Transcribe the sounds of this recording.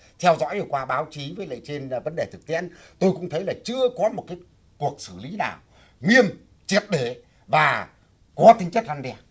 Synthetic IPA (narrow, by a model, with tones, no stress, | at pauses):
t̪ʰɛ˧wzɔ̰˧˥jvəː˨˩kwaː˧ɓaː˨˦wt͡ɕi˨˦vəː˨˦jlə̰˧˨t͡ɕe˧nvə˨˦nɗe˨˩t̪ʰɨ˨˩k̚t̪i˧˥ən | t̪o˧jkʊ̰˧˥ŋ͡mt̪ʰə˨˦jlaː˨˩t͡ɕɨ˧əkɔ˨˦mo˨˩t̚kaː˨˦j | ku˨˩ək̚sɨ˧˩li˨˦naː˨˩w | ŋi˧əm | t͡ɕi˨˩əp̚ɗe˧˩ | vaː˨˩ | kɔ˨˦t̪ï˨˦ŋ̟t͡ɕə˦˥k̚ʔa˧nɗɛ˧ə